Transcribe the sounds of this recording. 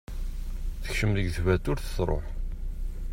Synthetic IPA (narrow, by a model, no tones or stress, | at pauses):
θə̥çʃəmðəɡθvæt̪ʊɾθsɾˤo̰ħ